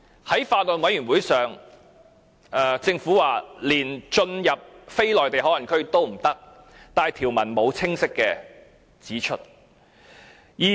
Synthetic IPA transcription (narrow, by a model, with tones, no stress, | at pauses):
hɐ˨˥jfaː˧t̚lɔ˨nwɐ˨˥jy˨˩nwuː˨˥jsœː˨ŋ | ɛː˨˩t͡sɪ˧ŋfuː˨˥waː˨liː˨˩nt͡ʃɵ˧njɐ˨p̚fe˥jlɔː˨jt̪e˨jɦɔː˨˥lɐ˨˩ŋkʰɵ˥ɥt̪o˥wm̩˨˩t̪ɐ˥k̚ | t̪aː˨˩jt̪ʰiː˨˩wmɐ˨˩nmo˨˧wt͡sʰɪ˥ŋsɪ˥kːɛː˧ | t͡siː˨˥t͡ʃʰɵ̰˥t̚ | jiː˨